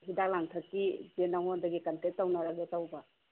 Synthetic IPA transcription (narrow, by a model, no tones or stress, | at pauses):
ɦidak̚laŋtʰɐkːibenaŋondɐɡikɐntetːawnaɾaɡetawba